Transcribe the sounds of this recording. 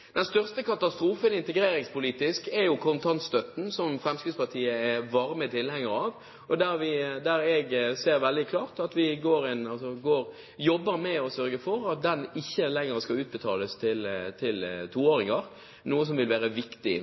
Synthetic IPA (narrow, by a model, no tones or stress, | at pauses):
d̪̥ɛnst̪œʁst̪əkɑt̪ɑst̪ɾuːfənɪnt̪əɡɾeːɾɪŋspʰʊliːt̪ɪskɛɾjʊkʰʊnt̪ʰɑnt̪st̪œt̪n̩sɔmfʁɛmskʉd̪spɑt̪ʰiːəɛʋɑʁmət̪ʰɪlhɛŋːəɾɑːʋ | ɔd̪æɾʋɪd̪æɾɛɡseːɾʋɛld̪ɪkʰlɑːʁt̪ɑt̪ʋɪɡoːɾɪnɑlsɔɡoːɾ | jɔbːəɾmɛɔsœɾɡəfɔɾɑt̪̚d̪ɛnɪçːəlɛŋːəɾskɑlʉːt̪̚bət̪ʰɑːləst̪ʰɪlt̪ʰɪlt̪ʰuːoːɾɪŋəɾ | nuːəs̬ɔmʋɪlʋæːɾəʋɪkt̪ɪ